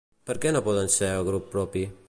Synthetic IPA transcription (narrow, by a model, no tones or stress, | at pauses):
pəɾkɛnopɔðənsɛɾəɣɾupːɾɔpi